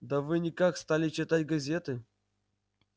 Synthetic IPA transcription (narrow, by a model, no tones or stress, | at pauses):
d̪ɐvɨnʲɪkakst̪alʲɪt͡ɕɪt̪atʲɡɐzʲet̪ɨ